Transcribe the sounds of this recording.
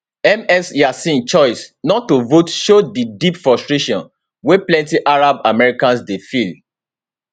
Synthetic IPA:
ɛmɛsjasĩnt͡ʃɔɪsnɔtːovotʃodidipfɹɔstɹeʃɔ̃n | weplɛ̃ntiʔaɹabamɛɹikãnsdefil

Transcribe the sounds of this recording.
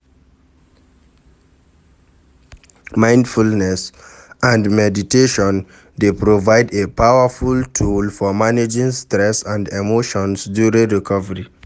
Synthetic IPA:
mãɪ̃ndfulnɛs | ãndmɛditeʃɔ̃n | depɹovaɪdepawafultʰulfɔmaned͡ʒĩŋstɹɛsãndemoʃɔ̃nsdjuɹĩɹikʰɔvəɹi

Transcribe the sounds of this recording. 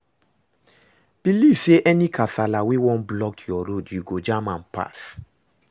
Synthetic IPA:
b̥ilivseʔɛnĩkʰasalawewɔ̃nblɔk̚tʰjɔɾodjuɡod͡ʒamãnpa̰s

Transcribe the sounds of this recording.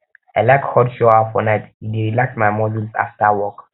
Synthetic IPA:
ajlakhɔdʃɔafɔnajtidiɾilaksmajmɔdulsa̰ftawɔk

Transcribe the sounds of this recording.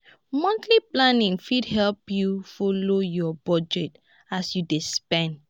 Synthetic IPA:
mɔ̃nt̪liplãnĩŋfidhɛlpjufolojɔbɔd͡ʒɛt | asjudespɛ̃nd

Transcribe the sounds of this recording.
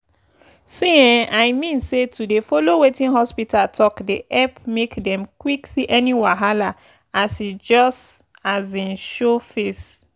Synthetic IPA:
sĩɛ̃aɪmĩnsetudefolowetĩnhɔspitʰatʰɔkdeʔɛpmekdɛ̃mkwiksiʔɛniwaɦala | asid͡ʒɔst | azĩnʃofes

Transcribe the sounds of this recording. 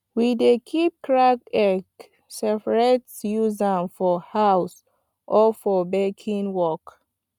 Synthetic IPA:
widekʰip̚kɹakɛk | sɛpaɹetsjuzãnfɔhaws | ʔɔfɔbekʰĩnwɔk

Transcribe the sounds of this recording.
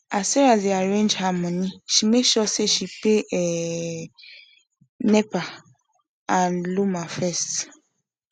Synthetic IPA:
asɛɾazaɹẽnd͡ʒhamɔ̃niʃimeʃɔseʃipeʔɛ | nɛpa | ãnlumafɛst

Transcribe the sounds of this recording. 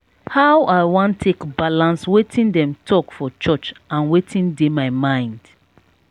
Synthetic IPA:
haʊʔaɪwɔ̃ntʰːekbalãnswetʰĩndɛ̃mtʰɔkfɔt͡ʃɔt͡ʃãnwetʰĩndemaɪmãɪ̃nd̥

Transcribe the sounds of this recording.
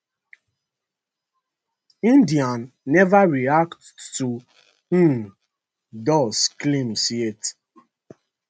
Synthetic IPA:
ĩndianː | ɛvaɹiakttu | dɔsklĩmsiet

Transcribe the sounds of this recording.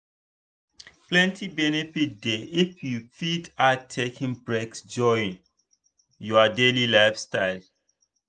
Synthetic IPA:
plɛ̃ntʰibɛnefit̚deifjufidatʰekʰĩŋbɹeksd͡ʒɔĩn | juadelilaɪfstaɪl

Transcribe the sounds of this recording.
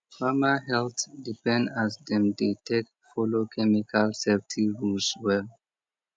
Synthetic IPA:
famahɛltdipɛ̃ndasdɛ̃mdetʰek | fɔlokʰɛmikʰalsɛftʰiɹulswɛl

